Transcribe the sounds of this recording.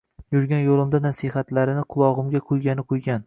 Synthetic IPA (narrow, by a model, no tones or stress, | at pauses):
jʊɾɡʲanjolˠɪmd̪anasihat̪laɾɪnɪqʰʊlˠɒʁɨmɡʲaqʰojɡʲanɪqʰojɡʲan